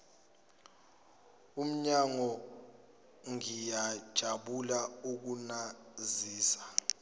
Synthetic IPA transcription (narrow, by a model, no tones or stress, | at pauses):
um̩ɲaŋɔ | ŋijad̥ʒ̥ʱaɓulauk̬unaziːsḁ